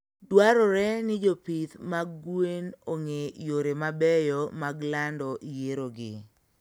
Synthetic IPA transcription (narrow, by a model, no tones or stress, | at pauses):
dwaɾɔɾɛnɪd͡ʒopit̪maɡwenoŋejoɾemabɛjɔmaɡlandɔʔjeɾoɡɪ̰